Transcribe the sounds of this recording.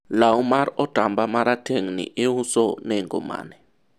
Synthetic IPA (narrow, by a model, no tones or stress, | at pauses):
laumaɾɔd̥ʱambamaɾatʰeŋnḭʔehusɔneŋɡɔ̰ma̰ːnɛ